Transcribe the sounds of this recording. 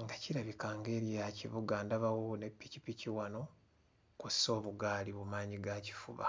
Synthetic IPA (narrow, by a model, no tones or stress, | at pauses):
ŋɡaciɾaβikaːŋɡe̞ɾijaciβuɡaːndaβawone̞pːicipiciwano̞ | kusso̞ːβuɡaːliβumaːɲiɡaci̥fṵβa̰